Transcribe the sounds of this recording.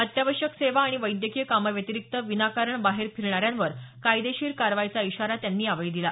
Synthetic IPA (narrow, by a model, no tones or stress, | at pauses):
ət̪jaʋəʂəkseʋaːɽ̃iʋəjd̪jəkijəkaməʋjət̪iɾik̚t̪əʋinakaɾəɳbaɦeɾpʰiɾɳaɾjãnʋəɾkajd̪eɕiːɾkaɾʋajt͡saiɕaɾat̪janːiːaʋəɭiːd̪ila